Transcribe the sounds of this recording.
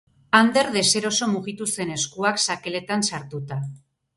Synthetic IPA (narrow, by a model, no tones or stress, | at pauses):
and̪e̞ɾðe̞se̞ɾo̞so̞muɣit̪use̞ne̞skuaksake̞le̞t̪ansaɾt̪ut̪a